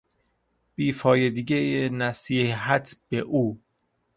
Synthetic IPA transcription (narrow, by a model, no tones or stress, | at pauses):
b̥iːfɒːjed̪iɟejenæsiːɦæt̪ʰb̥eʔuː